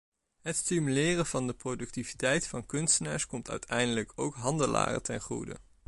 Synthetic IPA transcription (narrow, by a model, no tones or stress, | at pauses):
ɦətstimylɪːrəvɑndəprodɵk̚tivitɛjtfɑnkɵnstənaːɹskɔmtœ̰ɥtʰɛjndələkowkɦɑndəla̰ːrə̰tɛ̰nχrṵdə̰